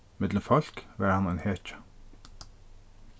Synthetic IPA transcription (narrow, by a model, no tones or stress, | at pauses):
mɛd̪ləfɑl̥kʋæːɾhɑnæɪnheːt͡ʃə̥